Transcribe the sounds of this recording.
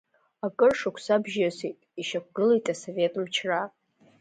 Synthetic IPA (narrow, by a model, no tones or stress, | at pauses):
akʼɨrʂakʷʰsabʒasitʼiʃakʷɡɨlejtʼasove̞tʼmt͡ʃʰra